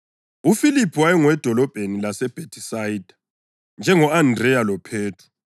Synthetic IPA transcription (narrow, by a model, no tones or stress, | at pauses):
ufilipʰuwajɛŋwɛd̥ʱɔlɔb̥ʱenilasɛb̥ʱetʰʼisaid̥ʱḁ | nd͡ʒʱɛŋɔandrɛjalɔpʰeːtʰu̥